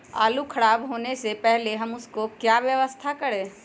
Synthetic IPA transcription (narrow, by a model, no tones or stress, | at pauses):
a̰ːlukʰɐɽaːbɦoːnesepɛɦleɦɐmʊskokjaːʋjəʋəst̪ʰakɐɽẽː